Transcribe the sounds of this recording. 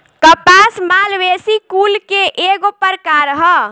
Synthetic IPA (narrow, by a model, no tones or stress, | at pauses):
kəpasmalʋesikulkeʔeɡopəɾkaɾəɦə